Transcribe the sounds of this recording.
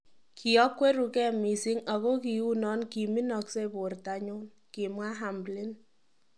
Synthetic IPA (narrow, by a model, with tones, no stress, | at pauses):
kʰi˨ɔ˦kːwe˦ɾu˨kɛ˦mi˨sɪ˦ŋa˨ɣo˦ki˨u˦nɔ˦nki˨mi˦nɔ˨kse˦po˨rta˨ɲo˦n | kɪ˨mwa˦ɦa˨mblɪ˦n